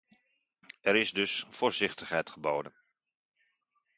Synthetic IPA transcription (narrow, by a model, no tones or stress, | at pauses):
ɛɾɪzdɵsfoːɹzɪχtəχɦɛjtχəboːdən